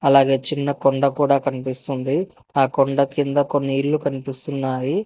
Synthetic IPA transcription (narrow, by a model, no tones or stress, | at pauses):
ɐlaːɡe̞ːt͡ʃinːɐkoɳɖɐkuːɽaːkɐnipist̪und̪i | aːkoɳɖɐkind̪ɐko̞nːiilːukɐnipist̪unːaːji